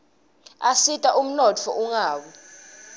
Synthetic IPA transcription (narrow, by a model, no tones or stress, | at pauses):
asitʼaʔum̩nɔt͡fʰɔ̰ʔuŋaːɓɔ